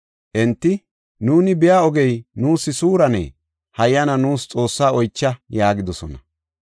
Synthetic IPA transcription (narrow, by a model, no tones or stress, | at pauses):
ʔɛnt̪ːɪ | nuːnɪbɪjaːɔɡɛjnuːsːɪsuːɾɐnɛ̰ː | hɐjːɐnɐnuːst͡sʼo̞ːsːaːɔjt͡ʃːɐjaːɡɪd̪ɔsɔnɐ